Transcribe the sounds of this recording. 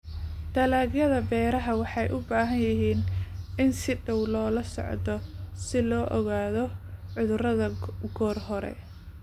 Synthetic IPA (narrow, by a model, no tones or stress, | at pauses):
d̪̥ɐlaːɣjɐðɐbɛːɾɐɦɐwɑħɑjʔʊbaːɦɐnjɪɦiːnɪnsɪɖɐwlɔːlɐsɔ̰ʕd̪ɔsɪlɔːʔɔɣaːðɔʕʊðʊrɐðɐɡɔːrhɔɾɛ̰